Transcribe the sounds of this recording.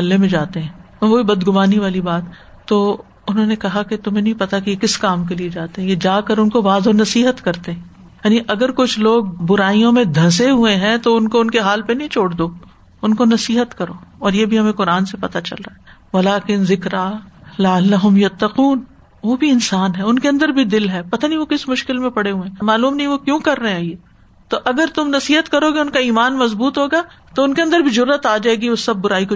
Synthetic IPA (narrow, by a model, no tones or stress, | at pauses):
ɐlːemẽd͡ʒaːt̪eɦɛ̃ː | ʋoːbibɐd̪ɡʊmaːniʋaːlibaːt̪ː | oː | ʊnɦõːnekɐɦaket̪ʊmɦẽnɐɦĩpɐt̪akejekɪskaːmkelied͡ʒaːt̪eɦɛ̃jed͡ʒaːkɐɾʊnkoʋaːzonɐsiːɦət̪kɐɾt̪eɦɛ̃ | jaːniʔɐɡəɾkʊt͡ʃʰloːɡ̚bʊɾaːijõmẽd̪ʱɐ̃s̬eɦueɦɛ̃t̪oʊnkoʊnkeɦaːlpenɐɦĩt͡ʃʰoːɽd̪oː | ʊnkonɐsiːɦət̪kɐɾoːɔːɾjeːbʱiɦɐmẽqʊɾaːnsepɐt̪at͡ʃɐ̰lɾaːaɦɛ | ʋɐlaːkɪnzɪkɾaːlɐəlːɐɦʊmjɐt̪ːɐquːn | ʋoːbʱiɪnsaːnɦɛʊnkeɐ̃nd̪əɾbʱid̪ɪlɦɛpɐt̪aniĩʋokɪsmʊʃkɪlmẽpɐɽeɦuẽmaːluːmnɐɦĩʋokjũkɐɾːɐɦẽaːjeː | t̪oʔɐɡəɾt̪ʊmnɐsiːɦət̪kɐɾokeʊnkaiːmaːnmɐzbuːt̪ɦoːɡaː | t̪oʊnkeɐ̃nd̪əɾbʱizʊɾːət̪aːd͡ʒaːeːɡiʊsːɐb̚ːʊɾaːiko